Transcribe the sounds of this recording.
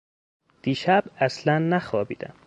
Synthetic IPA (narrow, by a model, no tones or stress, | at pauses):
d̪̥iːʃæbæslænːæxɒːbḭːd̪æ̰m